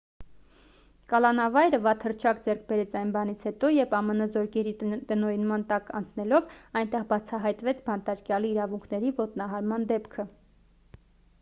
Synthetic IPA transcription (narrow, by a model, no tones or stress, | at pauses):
kɑlɑnɑvɑjɾəvɑt̪hərt͡ʃʰɑkd͡zɛrk̚ʰbɛɾɛt͡sʰɑjnbɑn̪it͡sʰhɛt̪ɔjɛpɑmənəzɔɾkʰɛɾit̪ənɔɾinmɑnt̪ɑkɑ̰nt͡sʰnɛlɔvɑjnt̪ɛʁbɑt͡sʰɑɦɑjt̪vɛt͡sʰbɑnt̪ɑɾkjɑliːɾɑvuŋkʰnɛɾivɔt̪nɑɦɑɾmɑnd̪ɛpkʰə